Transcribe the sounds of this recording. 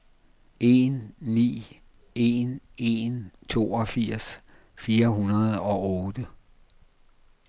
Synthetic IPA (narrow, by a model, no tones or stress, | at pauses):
e̝nːḭː | e̝ne̝nt͡sʰo̝̰ːɒ̽fiɐ̰s | fiːɐɦunɐð̩ˠɒ̽ɔ̽ːd̥ə